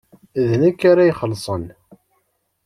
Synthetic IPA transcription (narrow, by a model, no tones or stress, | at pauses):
ðnækːaɾajχəlsˤən